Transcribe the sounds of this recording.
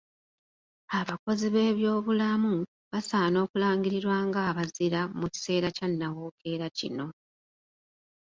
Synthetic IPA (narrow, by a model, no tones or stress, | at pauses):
aβako̞ziβe̞ːβjo̞ːβulamu | βasaːno̞ːkulaːŋɡiɾiɾwaːŋɡaːβaziɾamuci̥se̞ːɾacanːawo̞ːkʰe̞ːɾacḭno̞